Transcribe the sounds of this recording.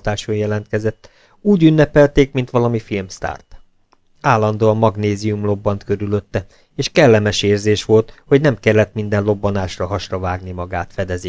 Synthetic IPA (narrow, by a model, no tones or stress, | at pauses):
t̪aːʃojɛlɛnt̪̚kɛzɛt̪ː | uːɟynːɛpɛlt̪eːkmin̪t̪ʋɒlɒmifilmst̪a̰ːrt̪ | aːlːɒn̪d̪oːɒmɒɡneːziumlo̞bːɒnt̪kø̞ɾylø̞t̪ːɛ | eːʃkɛlːɛmɛʃeːrzeːʃʋo̞lt̪ho̞ɟnɛmkɛlːɛt̪mind̪ɛnlo̞bːɒnaːʃrɒɦɒʃrɒvaːɡnimɒɡaːt̪fɛd̪ɛzi